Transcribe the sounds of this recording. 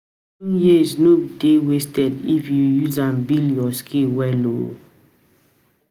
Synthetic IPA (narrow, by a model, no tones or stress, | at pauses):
njeznodewestɛdifjujuzãnbiljɔskʰewɛlo̰ː